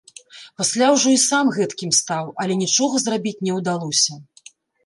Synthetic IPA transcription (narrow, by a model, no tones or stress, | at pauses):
pasʲlʲawʐɔisamɣɛt̪kʲimst̪awɐlʲɛnʲit͡ʂɔɣɐzrabʲit͡sʲnʲɛwd̪alˠɔsʲɐ